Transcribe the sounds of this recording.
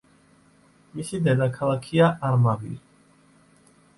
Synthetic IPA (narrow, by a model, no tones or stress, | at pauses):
misid̪ɛd̪akʰalˠakʰiaʔaɾmavḭ